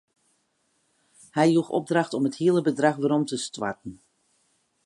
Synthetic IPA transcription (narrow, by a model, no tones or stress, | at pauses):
hɛjjuxɔ̰b̚draxtɔməthiəlˠəbədraxʋəɾɔmtəstwa̰ɹtn̩